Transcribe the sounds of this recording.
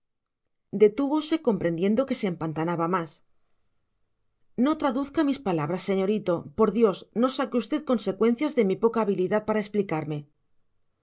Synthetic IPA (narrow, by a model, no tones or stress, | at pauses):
d̪e̞t̪uβo̞se̞ko̞mpɾe̞nd̪je̞nd̪o̞ke̞seːmpant̪anaβamas | no̞t̪ɾaðuθkamispalaβ̞ɾasːe̞ɲo̞ɾit̪o̞po̞ɾðjo̞sno̞sakeust̪e̞ðko̞nse̞kwẽ̞n̟θjazðe̞mipo̞kaːβ̞iliðaðpaɾaesplikaɾme̞